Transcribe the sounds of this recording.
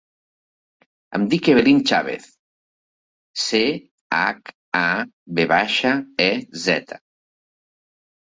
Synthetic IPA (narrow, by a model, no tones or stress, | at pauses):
a̰md̪ikeβelint͡ʃa̰βḛθ | se | ak | aβeβaʃaɛzɛ̰t̪ʰḁ